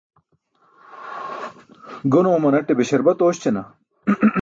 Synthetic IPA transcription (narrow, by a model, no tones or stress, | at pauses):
ɡonoːmɐnɐʈːebeɕɐɾbɐt̪oːɕt͡ɕenɐ̰